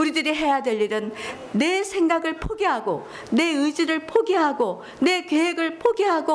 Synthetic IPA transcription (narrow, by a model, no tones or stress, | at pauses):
uɾidɯɾiɦe̞jadwe̞ʎːiɾɯnː | e̞sʰe̞ŋɡaɡɯɭpʰoɡiɦaɡo | ne̞ɯd͡ʑiɾɯɭpʰoɡiɦaɡo | ne̞keɦeɡɯɭpʰoɡiɦaɡo